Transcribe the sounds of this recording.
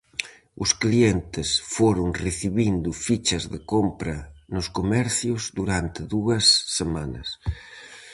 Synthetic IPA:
ʊsklient̪ɪsfoɾʊŋreθiβind̪ʊfit͡ʃɐzðɪkompɾɐnʊskomɛɾθjʊzd̪uɾant̪ɪðuɐsːemanɐ̰s

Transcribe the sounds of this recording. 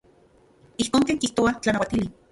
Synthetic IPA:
ihkoːŋkeːŋkiht̪oat͡ɬanawat̪ili

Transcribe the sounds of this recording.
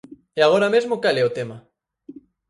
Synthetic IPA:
eaɣ̞oɾamezmokaleot̪ema

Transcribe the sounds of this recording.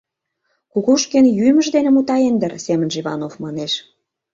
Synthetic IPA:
kuɣuʃkenjymə̆ʒd̪enĕmut̪ɑend̪ə̆rsemə̆nʒiβɑ̰nofmɑneʃ

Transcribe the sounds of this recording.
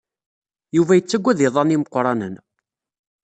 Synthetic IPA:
juvæjət͡sːæɡʷːæðɪðˤɑniməqːɾˤɑnə̰n

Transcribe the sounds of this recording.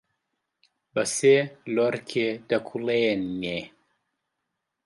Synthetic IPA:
bɐseloɾkʰed̪ɐkʰulenːe

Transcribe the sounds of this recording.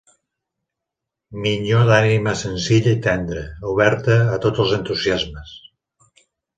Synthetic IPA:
miʎoðaniməsənziʎəit̪ɛnd̪ɾəuβɛɾt̪əːt̪ot̪əlˠzənt̪uziazməs

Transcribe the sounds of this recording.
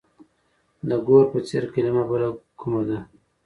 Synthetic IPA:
d̪əɡoɾpət͡seɾkalimabəlakumad̪a

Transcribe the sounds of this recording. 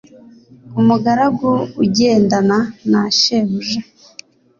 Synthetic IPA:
umuɡaɾaɡuuɟeːndananaʃeβuʒe

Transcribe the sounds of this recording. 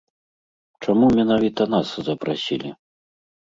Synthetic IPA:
t͡ʂamumʲɛnavʲit̪ɐn̪aszɐpɾasʲilʲi

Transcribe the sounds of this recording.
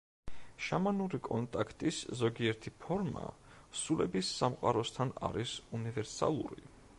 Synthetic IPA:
ʃamanuɾikʼɔnt̪ʼakʰt̪ʼiszɔɡiɛɾt̪ʰipʰɔɾma̰ | sulɛbisːamqʼaɾɔst̪ʰana̰ɾisunivɛɾsa̰lˠṵɾḭ

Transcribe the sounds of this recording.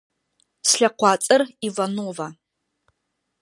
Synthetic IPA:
sɬɐqʷɑːt͡sʼɨrivanoːva

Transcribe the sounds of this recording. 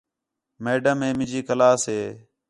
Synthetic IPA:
meːɖəmɦẽːmɪ̃d͡ʒiːkəlaːsɦeː

